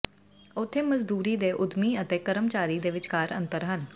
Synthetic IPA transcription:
ʊt̪ʰːeːməzd̪uːɾiːd̪eːʔʊd̪miːət̪eːkəɾəmt͡ʃaːɾiːd̪eːʋɪt͡ʃkaːɾə̰nt̪əɾɦən

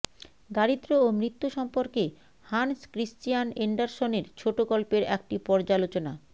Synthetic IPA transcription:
ɡaɽid̪ɾoːmɾit̪ːuʃɔmpoɾke | hanskɾisʈijaneɳɖaɾsoneɾt͡ɕʰoʈokɔlpeɾɛ̰k̚ʈipɔɾd͡ʑalot͡ɕona

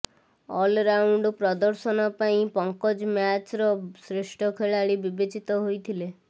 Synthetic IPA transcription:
ɔlɾauɳɖpɾɔd̪ɔɾsɔnɔpaĩpɔŋkɔd͡ʒmjat͡ʃɾɔsɾeʃʈʰɔkʰeɭaɭibibet͡ʃit̪ɔɦojt̪ʰile

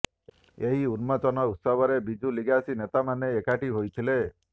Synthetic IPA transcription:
eɦiunmɔt͡ʃɔnɔut̪sɔbɔɾebid͡ʒuliɡasinet̪amaneːkaʈiɦojt̪ʰile

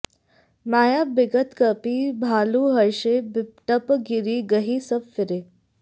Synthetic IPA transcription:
maːjabɪɡət̪kɐpibʱaːluɦɐɾʃebɪʈəpɡiɾiɡɐɦisɐbfɪɾe

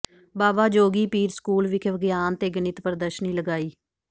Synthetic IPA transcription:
baːbaːd͡ʒoːɡiːpiːɾskuːlʋɪkʰʋəɡjaːnt̪eːɡənɪt̪pəɾd̪əʃəniːləɡaːiː

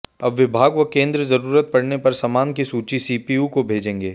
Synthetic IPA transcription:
ɐbʋɪbʱaːɡʋɐkẽːnd̪ɾəzɐɾuːɾət̪̚pɐɽnepɐɾsɐmaːnkisuːt͡ʃisiːpiukobʱeːd͡ʒẽːŋɡeː

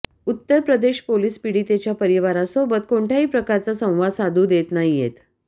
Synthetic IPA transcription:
ut̪ːəɾpɾəd̪eɕpoliːspiɽiːt̪et͡ɕjapəɾiʋaɾasobət̪̚koɳʈʰjaɦiːpɾəkaɾt͡sasə̃w̃ʋad̪sad̪ʱuːd̪et̪naɦijet̪

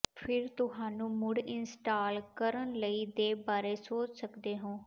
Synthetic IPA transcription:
pʰɪɾt̪ʊɦaːnũːmʊɽɪnsʈaːlkəɾənləiːd̪eːbaːɾeːsoːt͡ʃsəkd̪eːɦõː

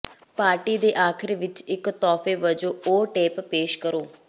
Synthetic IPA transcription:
paːɾʈiːd̪eːʔaːkʰɪɾeːʋɪt͡ʃɪkt̪ɔːfeːʋəd͡ʒoːoːʈeːppeːʃkəɾoː

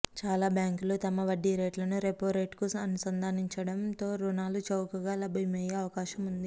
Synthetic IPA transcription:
t͡ʃaːlaːbjaːŋkulut̪ɐmɐʋɐɖːiɾeːʈlɐnuɾepoːɾeːʈkusɐnɐsɐnd̪ʱaːniɲt͡ʃɐɽɐmt̪o̞ːɾunaːlut͡ʃɐwkɐɡaːlɐbʱimɐjeɐʋɐkaːʃɐmund̪i

